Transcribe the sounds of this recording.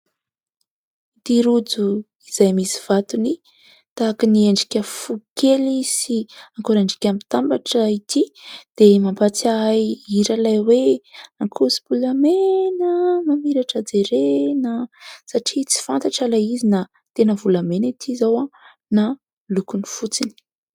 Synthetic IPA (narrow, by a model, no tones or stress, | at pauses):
it̪iɾud͡zu | iz̥ajmisiv̥at̪uni | t̪akinieɳɖ͡ʐi̥kʲəfukʰelisiaŋkoɾaɳɖ͡ʐi̥kʲamit̪ambaʈ͡ʂəit̪ʰid̪̥emampat͡sajiɾalajweaŋkʰusi̥bulamenəmamiɾaʈ͡ʂəd͡zeɾenəsaʈ͡ʂit͡si̥fant̪aʈ͡ʂalajizina | t̪enəvulamenit̪ʰizawa | na | lukunifut͡sini̥